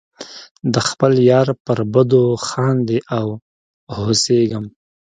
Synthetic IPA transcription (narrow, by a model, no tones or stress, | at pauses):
d̪əxpəljɑɾpəɾbəd̪oxɑnd̪eʔaw | hoseɡəm